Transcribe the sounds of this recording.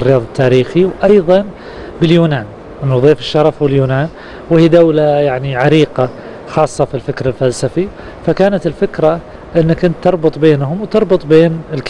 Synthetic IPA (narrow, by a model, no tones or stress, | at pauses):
rːɪjɑːðˤɪt̪ʰːaːɾiːxiwʔɑjðˤɑn | bɪljuːnaːn | ʔɪnːuðˤeːfɪʃːɑɾˤɑfwɪljuːnaːn | wɪhiːd̪awlajaʕniʕaɾiːqa | xɑːsˤːɑfilfɪkɾɪlfalsafi | fakaːnat̪ɪlfɪkɾa | ʔɪnːakːʊnt̪ːɑɾˤbʊt̪ˤbeːnhʊmwt̪ɑɾˤbʊt̪ˤbeːnɪlk